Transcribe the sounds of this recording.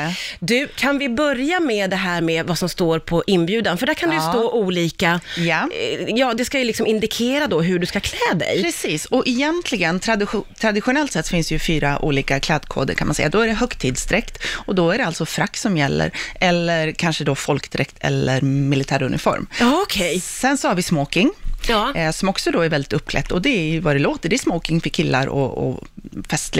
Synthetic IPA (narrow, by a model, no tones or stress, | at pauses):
d̪ʉ̟kʰanvɪbœɾjamɛːd̪ɛɦæːɾmɛːvasɔmst̪oːɾpʰɔʔɪnːbjʉ̟ːd̪anfœɖæɾkʰand̪ɛjəst̪oːʔuːliːkajajɑːd̪ɛskajɵlɪksɔmɪnd̪ɪkʰeːɾad̪ɔɦɵɖɵskakʰlɛːd̪ɛ̰jpɾɛsiːsɔʔɪjɛnt̪ʰlɪɡənt̪ʰɾad̪ɪt̪ʰɾad̪ɪɧʊnɛlt̪sɛt̪ːfɪnsd̪ɛjɵfyːɾaʔṵːliːkakʰlɛːd̪kʰo̰ːd̪ə̰ɾkʰanmansɛ̰jːad̪ɔæɖɛɦœkt̪ʰːiːd̪sd̪ɾɛkt̪ɔd̪ɔæɖɛalt̪sɔfɾakːsɔmjɛlːə̰ɾɛlːəɾkʰanʂəd̪ɔfɔlkd̪ɾɛkt̪ʰɛ̰lːəɾmɪlɪt̪ʰæːɾɵnʔɪ̰fɔ̰ɾmkʰɛjsɛnsɔhaɾvɪsmoːkɪŋː | sɔmɔksɔd̪ɔæɾvɛld̪ɪt̪ɵpːkʰlɛ̰t̪ːɔd̪ɛvad̪ɛloːt̪əɖɛæsmoːkɪŋfœɾkʰɪlːa̰ɾɔ̰ɔ̰fɛst̪lɪ